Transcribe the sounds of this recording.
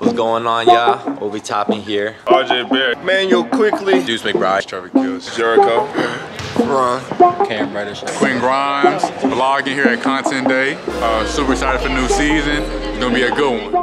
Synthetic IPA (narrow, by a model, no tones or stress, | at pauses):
wʌzɡoʊɪ̃ŋə̃njæwḭlˠbitʰɑpɪ̃ŋɦiɹɑd͡ʒebɛɹmæ̃njəkʰw̥ɪklidɨspiɪk̚b̥ɹaɪstʰɹ̥ɛvkʰɪlˠz̥d͡ʒɛɹɨkʰə | ɹʌ̃nkʰæ̃mɹɛɾəskʰw̥ĩnɡɹãɪ̃mz̥əlɑɡɪ̃ŋhiɹɨt̚kʰɑ̃ntʰɛ̃nd̥eɪʌsupə˞saɪɾɨd̥fə˞nʉsizɨ̃nzɡõnəbiɨɡʊd̚wʌ̃n